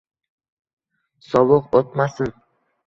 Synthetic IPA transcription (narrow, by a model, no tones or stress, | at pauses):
sɒvʊqot̪masɪn